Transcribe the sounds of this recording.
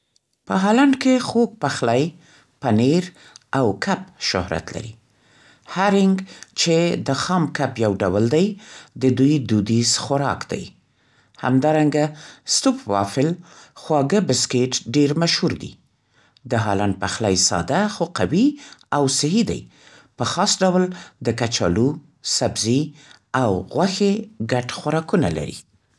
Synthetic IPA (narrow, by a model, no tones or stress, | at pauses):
pəɦɑlaɳɖkexok̚paxlaj | paneɾ | awkʰap̚ʃʊ̰hɾa̰t̪la̰ɾi | haɾɪŋɡt͡ʃed̪əxɑmkapjawɖawəld̪ajd̪əd̪ujd̪ud̪izxʊɾɑ̰kd̪a̰j | ha̰md̪ɑɾaŋɡast̪upwɑ̰fɪlxwɑɡəbɪskeʈɖeɾmaʃhuɾd̪ḭ | d̪əɦɑ̰lɑnpaxlajsɑ̰d̪axoqawiawsɪɦid̪a̰j | pəxɑsɖawld̪əkat͡ʃɑ̰lu | sabzi | awɣwaxeɡaʈxwaɾɑkuna̰la̰ɾḭ